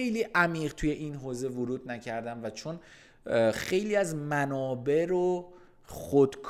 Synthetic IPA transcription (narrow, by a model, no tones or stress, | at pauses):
ejliːʔæmiːɢt̪ʰuje̞ʔinɦoːzevʊɾuːd̪næcʰæɾd̪æmvæt͡ʃʰon | xe̞jliːæzmænɒːbe̞ɾo | xod̪̥kʰ